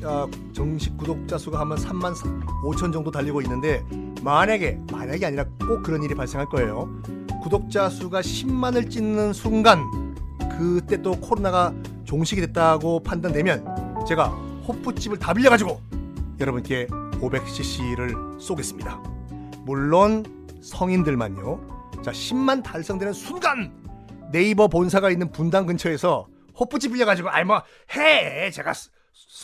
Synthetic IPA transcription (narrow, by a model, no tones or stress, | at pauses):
a | t͡ɕʌŋɕʰik̚k͈ːudok̚t͡ɕ͈asʰuɡahambʌnsʰamːansʰot͡ɕʰʌnd͡ʑʌŋdotaʎːiɡoinːɯnde̞ | maɲaɡe̞maɲaɡiaɲiɾak͈okɯɾʌniɾipaɭs͈e̞ŋɦaɭk͈ʌe̞jo | kudok̚t͡ɕ͈asʰuɡaɕʰimːanɯɭt͡ɕ͈inːɯnsʰuŋɡankɯt͈e̞t͈okʰoɾonaɡa | t͡ɕoŋɕʰiɡidwe̞t̚t͈aɡopʰandandwe̞mjʌnt͡ɕe̞ɡa | hop͈ʰːut͡ɕ͈ʰibɯɭtabiʎːjʌɡad͡ʑiɡojʌɾʌbunk͈e̞kobe̞k̚ɕ͈ʰiɕ͈ʰiɾɯɭs͈oɡe̞s͈ɯmɲida | muɭːon | sʰʌŋindɯɭma̰ɲjot͡ɕaɕʰimːantaɭs͈ʌŋdwe̞nɯnsʰuŋɡanː | e̞ibʌponsʰaɡainːɯnpundaŋɡɯnt͡ɕʰʌe̞sʰʌ | ɸop͈ʰut͡ɕ͈ʰip͈iʎːjʌɡad͡ʑiɡoa̰ɭma | het͡ɕe̞ɡa̰